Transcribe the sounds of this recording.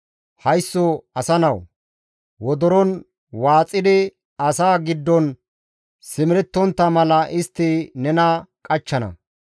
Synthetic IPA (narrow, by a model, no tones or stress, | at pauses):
hɐjsːɔɐsɐnɐw | wɔd̪ɔɾɔn | waːt͡sʼːɪd̪ɪ | ɐsaːɡɪd̪ːɔn | sɪmɪɾɛt̪ːɔnt̪ːɐmɐlɐʔɪst̪ːɪnɛnɐkʼɐt͡ʃːɐnɐ̰